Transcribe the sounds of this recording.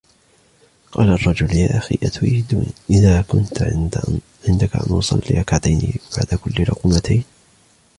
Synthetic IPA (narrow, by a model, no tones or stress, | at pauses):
qɑːlaʔɑrˤːɑd͡ʒʊljaːʔaxḭːʔat̪ʔid̪ṵːniʔɪðaːkʊnt̪ | ʕɪnd̪akaʔa̰nwɑsˤɑ̰lːɪʔɑkʕad̪ajnḭb̥aʕd̪akʊlːɪlʊquːmat̪ʰajn